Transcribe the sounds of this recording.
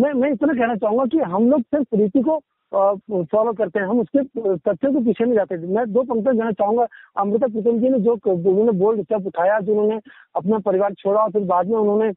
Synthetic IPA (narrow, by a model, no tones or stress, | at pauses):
mɛ̃ːmɛ̃ɪt̪nak̬ɛɦnat͡ʃaːɦũŋɡakiɦɐmloːɡsɪɾfɾiːt̪iko | fɔːloːkɐɾt̪eɦɛ̃ɦɐmʊsket̪ɐt̪ːʃẽk̬op̬iːt͡ʃʰenɐ̃ĩd͡ʒaːt̪eɛmɛ̃ːd̪oːp̬ɐ̃ŋk̚ʈ̪ẽkɛɦnat͡ʃaːɦũŋɡaɐmɾɪt̪̬apɾɪt̪əmd͡ʒinẽd͡ʒoːʊnɦõːneboːlɖɪsapʊʈʰaːjad͡ʒoːʊnɦõːne | ɐpnapɐɾɪʋaːɾt͡ʃʰoːɽaɔːɾpɪɾbaːd̪mẽʊnɦõːne